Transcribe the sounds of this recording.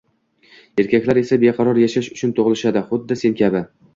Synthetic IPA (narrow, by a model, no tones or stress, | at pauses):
e̞ɾkʲʰakʲlaɾe̞sabeqʰɑɾɒɾjaʃaʃʊt͡ʃʰʊnt̪ʰoʁlˠɪʃad̪ɪχʊd̪ːɪse̞nkʲʰabɪ